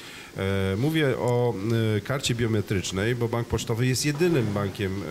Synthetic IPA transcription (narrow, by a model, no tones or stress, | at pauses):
muvʲjɛʔɔkaɾt͡ɕɛbʲjɔmɛt̪ɾɘt͡ʂnɛjbɔbaŋk̚pɔt͡ʂt̪ɔvɘjɛst̪ʲjɛd̪ɘnɘmbaŋkʲɛm